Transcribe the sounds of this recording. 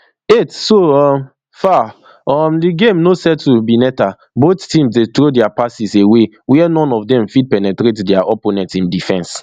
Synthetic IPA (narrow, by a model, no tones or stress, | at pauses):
etsoɔm | fa | ɔmdiɡẽmnosɛd̚tubinɛta | bottĩmsdetɾodɛapasisewe | wɛɛnɔ̃nɔvdɛ̃mfid̚pɛnɛtɾetdɛaʔɔponɛ̃tĩndifɛ̃ns